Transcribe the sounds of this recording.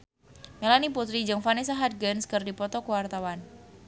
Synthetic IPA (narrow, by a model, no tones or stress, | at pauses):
melaniput̪ɾid͡ʒəŋfanes̬aɦat̪̚ɡənskərdipɔt̪ɔkəwart̪awan